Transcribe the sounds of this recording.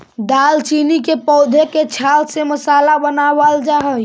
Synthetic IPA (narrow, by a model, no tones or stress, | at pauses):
d̪aːlt͡ʃiːnikepɔːd̪ʱeket͡ʃʰaːlseməsaːlabənaːwald͡ʒaɦə